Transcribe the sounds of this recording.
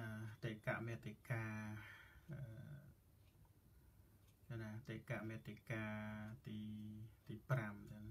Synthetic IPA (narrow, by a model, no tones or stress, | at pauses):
at̪ekaʔmet̪ika | ə | anat̪ekaʔmet̪ikat̪it̪ipɾamt̪ɛn